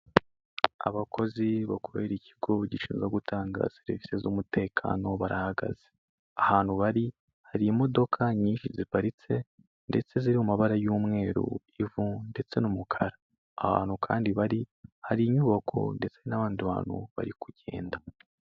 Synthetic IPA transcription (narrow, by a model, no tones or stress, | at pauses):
a̰βakʰo̞ziβakoβeɾicʰi̥ɡo̞ɟiʃiːnzaɡutʰaːŋɡa̰seɾivisezumute̞ːkʰa̰no̞βaɾahaɡa̰z̥e | ahaːn̥huβaɾi | haɾiːmo̞do̞kʰaɲiːnʃizipaɾit͡se̞ | nde̞t͡se̞ziɾimumaβaɾajuːmŋe̞ːɾṵ | ivunde̞t͡se̞numukʰaɾaː | ha̰ːn̥hukʰa̰ːndiβaɾihaɾiɲuβakʰo̞̰nde̞t͡se̞naβaːndiβa̰ːn̥hṵβa̰ɾikuɟe̞̰ːnda